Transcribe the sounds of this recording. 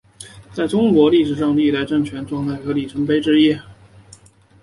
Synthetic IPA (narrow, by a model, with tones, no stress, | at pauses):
t͡sa˥˩ɪʈ͡ʂʊ˥ŋkwɔ˧˥li˥˩ʂɻ̩˨˩ʂɑ˥˧ŋt̪i˥˧t̪a˧ɪʈ͡ʂɤ˥˩ŋt͡ɕʰɥɛ˧˥nʈ͡ʂwɑ˥˧ŋt̪ʰa˥˩ɪxɤ˧˥li˨˩ʈ͡ʂʰɤ˧˥ŋpe˥ɪʈ͡ʂɻ̩˥i˥